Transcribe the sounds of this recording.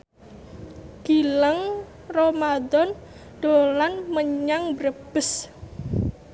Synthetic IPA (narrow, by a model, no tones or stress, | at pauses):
ɡ̥ilaŋ | romad̪ɔn | ɖ̥olanməɲaŋbəɾəb̥əs